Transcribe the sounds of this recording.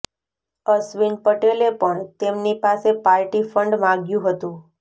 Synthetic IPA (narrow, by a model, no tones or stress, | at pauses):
əsʋinpəʈelepəɳt̪emnipasepaɾʈifəɳɖmãɡjũɦət̪ũ